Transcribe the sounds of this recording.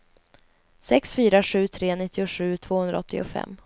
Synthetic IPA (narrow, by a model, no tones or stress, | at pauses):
sɛksfyːɾaɧʉ̟ːt̪ʰɾeːnɪt̪ʰːɪʊɧʉ̟ːt̪ʰv̥oːhɵnd̪ɾaɔt̪ːɪʊ̰fɛ̰mː